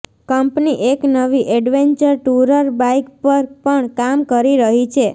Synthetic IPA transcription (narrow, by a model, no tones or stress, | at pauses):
kəmpniʔeknəʋiʔɛɖʋeɲt͡ʃəɾʈuɾəɾbaikpəɾpəɳkamkəɾiɾəɦit͡ʃʰe